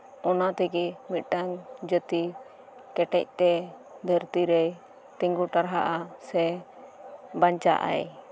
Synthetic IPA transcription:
ɔnat̪ɛɡɛmit̪̚ɖaŋd͡ʒət̪i | kɛʈɛ̰c̚t̪ɛ | d̪ʱəɾt̪iɾɛj | t̪ɛŋɡuʈaɾɦaʔasɛ | baɲt͡ʃa̰ʔa̰j

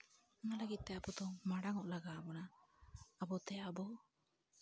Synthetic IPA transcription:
ɔnalaɡit̪̚t̪eapud̪ɔmaɽaŋɔʔlaɡaːbɔnaː | bɔt̪eabɔ

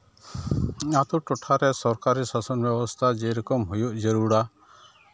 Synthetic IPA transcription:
ɲat̪uʈɔʈʰaɾɛsɔɾkaɾisasɔnbjɔbɔst̪ʰad͡ʒejɾɔkɔmɦujuʔd͡ʒeɾuɽa

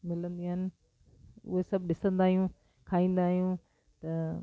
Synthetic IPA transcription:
mɪlə̃nd̪iɦɪnɪ̆ | ʊ̰ɦesɐbʱɗɪsə̃nd̪aːɦijũ | kʰaːĩːn̆d̪aːɦijũː | t̪ɐ

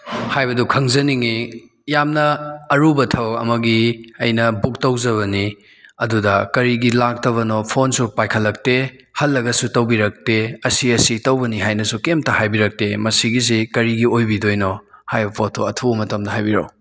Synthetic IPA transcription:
hajbɐdukʰɐŋzɐniŋi | jamnɐːɾubɐtʰɐwɐ̰mɐɡiɐjnɐbuk̚tɐwzɐβɐni | ɐdudɐkɐɾiɡilak̚tɐβɐnopʰonsupajkʰɐlːɐk̚te | hɐlːɐɡɐsutɐwbiɾɐk̚teɐsiɐsitɐwbɐniɦajnɐsukemtɐhajbiɾɐk̚temɐsiɡiz̬ikɐɾiɡiojbidojno | hajbɐpʰotʰoɐtʰubɐmɐtɐmdɐɦajbiɾɐ̰w

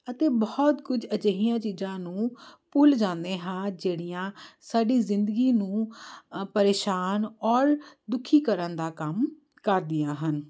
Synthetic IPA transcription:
ət̪eːbɔːɔt̪kʊd͡ʒət͡ʃəɦijãːt͡ʃiːzãːnũːpʊld͡ʒãːnd̪ẽːɦãːd͡ʒeːɽijãːsaːɖiːzɪnd̪əɡiːnũː | pəɾeːʃaːnɔːɾd̪ʊkʰiːkəɾənd̪aːkəm | kəɾd̪ɪjãːɦən

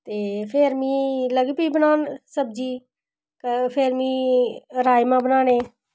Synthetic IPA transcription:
t̪eːpʰeːɾmĩːləɡipiːbənaːnsəb̚d͡ʒiː | kpʰeːɾmĩːɾaːjmãːbənaːneː

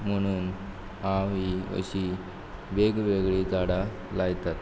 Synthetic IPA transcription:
m̤əɽ̃uːn | ãʋiə̰ɕi | ʋeɡʋeɡɭid͡zaɽa | lajt̪at̪

